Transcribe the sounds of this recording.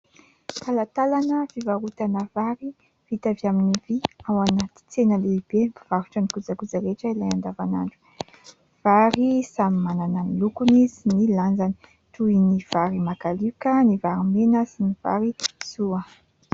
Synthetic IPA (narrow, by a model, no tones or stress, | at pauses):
k̪alat̪alanəvivaɾut̪anəvaɾi | v̥it̪aviaminiviawanat̪i̥t͡senəliibev̥aɾuʈ͡ʂənikud͡zakud͡zaɾeʈ͡ʂəilajand̪avana̰ɳɖ͡ʐu̥ | v̥aɾisamimanananilukuniziniland͡zani̥ | t̪uiniv̥aɾimakalikənivaɾimenəsiniv̥a̰ɾiz̥uə